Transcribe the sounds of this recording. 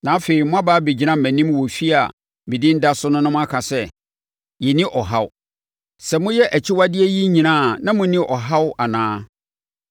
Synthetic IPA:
nã˨˦fe˨i˨mʊ̃˦a˦baː˨˦be˨d͡ʑi˨˦nã˦m̩˨mæ̃˨nĩ˦m˦wɔ˨fi˦a̰˨ | mĩ˨dɪ̃˦n̩˦da˦sʊ˦nʊ̃˦nʊ̃˦mʊ̃˦a˦kʰa˨sɛ˦ | jɛ˨nɪ̃˦ʔɔ˨ɦa˦w | sɛ˨mʊ̃˦jɛ˦ʔæ˨t͡ɕʰɪ˦wa˦dɪ˦ɛ˦ji˦ɲĩ˨nãː˦˨nã˦mʊ̃˦nɪ̃˦ʔɔ˨ɦa˦wa˨nãː˦

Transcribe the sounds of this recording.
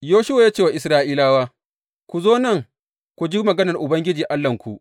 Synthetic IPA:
joː˦ʃʊ˦wa˨jaː˦t͡ʃeː˦˨wa˨ʔɪ˨sɾaː˦ʔiː˦laː˦waː˦ | kʷu˨zoː˦nɐ˦˨ŋ | kʷu˨d͡ʒi˦mɐ˨ɡɐ˦nɐ˨rʔʊ˨bɐ˦ŋɡʲɪ˦d͡ʒiː˨ʔa˦lːɐ˨ŋkʷu˨ʔ

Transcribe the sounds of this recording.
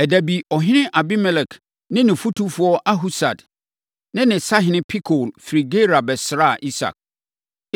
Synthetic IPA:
ɛ˨dæ˨bi˨ɔ˨ɦɪ̃˦nɪ̃˦ʔa˨bi˦mɛ˦lɛ˨kʰ | nɪ̃˦nɪ̃˨fu˦tʰu˦fʊ˨˦ɔ˦ʔa˦ɦu˦sa̰˨d | nɪ̃˦nɪ̃˨sa˦ɦɪ̃˨nɪ̃˦pʰi˦kʰo˨lfi˨ɾi˨ɡe˦ɾa˨bɛ˨sɪ˨ɾa˦˨ʔi˦sa̰˨k̚

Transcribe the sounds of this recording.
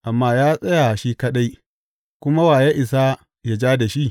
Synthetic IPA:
ʔa˨mːaː˦jaː˦sʼɐ˦ja˨ʃi˦kɐ˦ɗa˦j | kʷʊ˦ma˦waː˨ja˦ʔɪ˨sa˦ | ja˦d͡ʒaː˦da˨ʃi˦ʔ

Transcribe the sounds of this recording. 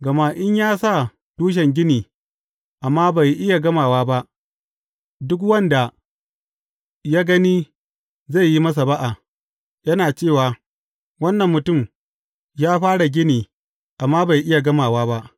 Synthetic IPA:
ɡɐ˨ma˦ʔɪ˦ɲjaː˦sa˦˨ | tuː˦ʃ̬ɛ˨ŋɡʲɪ˦niː˨ | ʔa˨mːaː˦ba˨jʔɪ˦ja˨ɡɐ˦maː˨waː˦ba˦ʔ | dʊ˦k̬wɐ˦nda˨ | jaː˦ɡɐ˦niː˦ | za˦˨jːi˦mɐ˦s̬a˨ba˦ʔa˨ | jɐ˦naː˨t͡ʃeː˦˨waː˨ | wɐ˦nːɐ˨mːʊ˨tʊ˦˨m | jaː˦ɸaː˦ɽa˨ɡʲɪ˦niː˨ | ʔa˨mːaː˦ba˨jʔɪ˦ja˨ɡɐ˦maː˨waː˦ba˦ʔ

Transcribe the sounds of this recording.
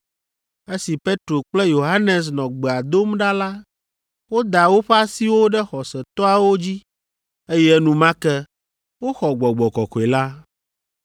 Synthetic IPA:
e˦si˨pe˦t̪ɾo˨k͡plɛ˦jo˨ɦa˦nɛ˨s̬nɔ̃˨ɡ͡bɛ˨a˨d̪o˦mɖa˦la˦ | wo˦d̪a˨wo˦ɸɛ˦a˦si˦wo˦ɖɛ˦xɔ˨sɛ˨t̪ɔ˦a˨wo˦d͡ʑi˦ | e˦jɛ˦nũ˦mã˦kɛ˦ | wo˦xɔ˨ɡ͡bɔ˨ɡ͡bɔ˨kɔ˨kɔ˨e˨la˦

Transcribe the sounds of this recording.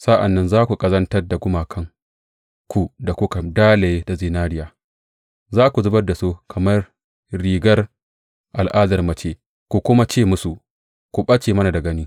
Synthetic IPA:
sa˦ʔa̰˨nːɐ˦nzaː˦kʷu˨kʼɐ˦zɐ˦ntɐ˦rda˨ɡʷʊ˦maː˨kʰɐ˦ŋ | kʷu˨da˨kʷʊ˦ka˨daː˦le˨je˦da˨zɪ˨naː˦ɾɪ˦jaː˨ | zaː˦kʷu˨zʊ˦bɐ˦da˨soː˦kʰɐ˨mɐ˦r | ɽiː˨ɡɐ˦r | ʔa˨lʔaː˦dɐ˨rmɐ˨t͡ʃeː˦˨ | kʷu˨kʷʊ˦ma˦t͡ʃeː˦˨mʊ˦su˨ | kʷu˨ɓɐ˦t͡ʃeː˨mɐ˦na˨da˨ɡɐ˦niː˦

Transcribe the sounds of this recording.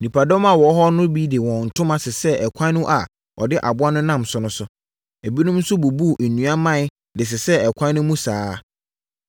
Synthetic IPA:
nĩ˨pʰa˨dɔ̃˦ma˨wɔ˨˦ɦɔ˦nʊ̃˦bi˦de˨wɔ̃˨n̩˨tʰʊ̃˦mã˦sɪ˨sɛ˦ɛ˨kʷʰã˦nʊ̃˦ʔa˨ | ʔɔ̰˨dɪ˦ʔa˨bʊ˦a˦nʊ̃˦nã˦˨msʊ˦nʊ̃˦sʊ˦ | e˨bi˦nʊ̃˦mn̩˦sʊ˦bo˨bu˦˨ʔe˨nũ˨˦a˦mã˦ | dɪ˨s̬ɪ˨sɛ˦ɛ˨kʷʰã˦nʊ̃˦mũ˦saː˨˦

